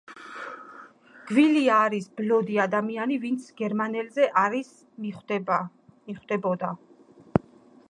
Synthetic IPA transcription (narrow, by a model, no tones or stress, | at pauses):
ɡ̥viliaːɾisblɔd̪iad̪amianivint̪sʰɡɛɾmanɛlzɛʔaɾis | miχwd̪ɛbɔd̪a